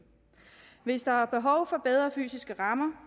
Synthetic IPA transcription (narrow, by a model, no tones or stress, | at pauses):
ʋe̝sd̥ɑ̈æɐb̥e̝ɦɒʊfɒ̽b̥eð̞ˠʁɐfy̰ːsisɡ̥əʁɑ̈mɐ